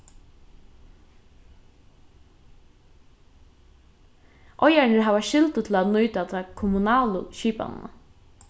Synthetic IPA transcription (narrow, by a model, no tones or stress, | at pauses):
ʔɔjaɳəɹɦaːʋaʃɪlt̪ʊt̪ʰl̩at̪nujt̪at̪ʰakʰʊmʊnɑːlʊ̰ʃiːpa̰n̰nə̰